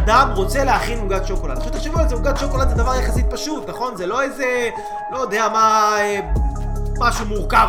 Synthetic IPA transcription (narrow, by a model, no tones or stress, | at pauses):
d̪amʁo̞t͡seleaχinmuɡat̪ʃoko̞lad̪aχʃut̪eχʃevualzemuɡad̪ʃo̞ko̞lad̪zed̪avaʁjaχasit̪̚paʃut̪naχo̞nzelo̞eze | lod̪eamae | maʃumuʁka